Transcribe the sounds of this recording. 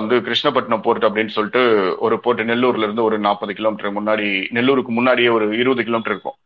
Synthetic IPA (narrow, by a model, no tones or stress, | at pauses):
ɐnd̪ɯkɪɾɪʂnɐpːɐʈːɐɳɐ̃poːɾʈːɯɐpːɐɽɪnːɯsɔlːɪʈːɯɔɾɯpoːʈːɯnɛlːuːɾlɪɾɯnd̪ɯɔɾɯnaːpːɐðɯkɪloːmɪʈːɾɐmʊnːaːɽinɛlːuːɾɯkːɯmʊnːaːɽɪjeːɔɾɯɪɾɯbɐðɯkɪloːmɪʈɐɾɪɾɯkːʊ̰̃